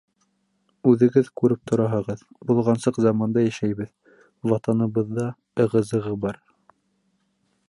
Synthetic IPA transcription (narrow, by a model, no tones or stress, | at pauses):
ʉðɘ̆ɡɘðkʉɾɘp̚t̪ʰŏɾɑɦɤ̆ʁɤð | bulˠʁɑnsɤqzɑmɑnd̪ɑjæʃæjβɘð | wɑt̪ɑnɤ̆βɤ̆ðːɑ | ɤ̆ʁɤ̆zɤ̆ʁɤbɑɾ